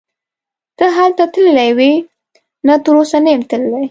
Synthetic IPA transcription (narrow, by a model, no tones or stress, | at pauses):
t̪əɦalt̪at̪əlɪlajwe | nat̪əɾosanajɪmt̪əlɪlaj